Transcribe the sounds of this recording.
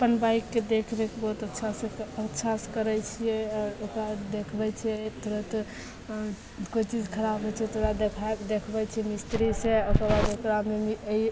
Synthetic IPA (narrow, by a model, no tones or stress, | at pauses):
əpənbaikːed̪ekʰbekebɔɦut̪ətːʃʰaseətːʃʰaskəɾɛt͡ʃʰijɛɔːɾokɾad̪ekʰbɛt͡ʃʰɛt̪ʰoɾət̪ | koit͡ʃid͡ʒkʰəɾabɦɛt͡ʃʰɛt̪ʰoɾad̪ekʰaed̪ekʰbɛt͡ʃʰɛmist̪ɾisẽokəɾbad̪okɾammemii